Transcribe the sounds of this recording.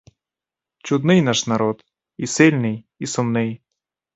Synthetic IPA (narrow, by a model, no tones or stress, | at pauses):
t͡ɕʊd̪nɨjnaʂnaɾɔt̪ | isɛlʲnɨj | isʊmnɨj